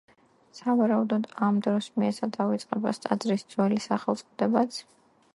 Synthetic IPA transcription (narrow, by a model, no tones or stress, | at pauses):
savaɾaud̪ɔd̪amd̪ɾɔsmiɛt̪sʰad̪avit̪sʼqʼɛbast̪ʼad̪zɾisd̪z̥wɛlisaχɛlˠt̪sʼɔd̪ɛbat̪sʰ